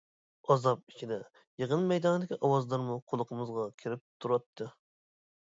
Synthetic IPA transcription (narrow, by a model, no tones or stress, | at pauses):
ɑzɑp̚i̥t͡ʃʰid̪ɛ | jəʁənmɛjd̪ɑnɨd̪ɪkʲiʔɑwɑzlˠɑɾmuqʰolˠəqʰəmɨzʁɑkʲʰiɾɪp̚t̪ʰuɾɑt̪ʰːɨ